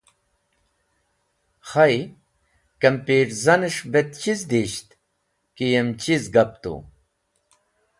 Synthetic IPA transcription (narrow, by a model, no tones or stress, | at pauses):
xɐj | kɐmpiːʈzɐniʂbet̪t͡ɕizd̪iɕt̪ | kijemt͡ɕizɡɐp̚t̪ṵ